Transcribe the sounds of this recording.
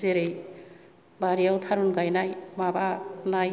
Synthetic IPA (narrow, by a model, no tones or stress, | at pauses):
zeɾej | baɾiawt̪ʰaɾunɡajnajmabanaj